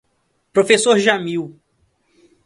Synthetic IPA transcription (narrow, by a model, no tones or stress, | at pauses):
pɾofesoɾʒamiw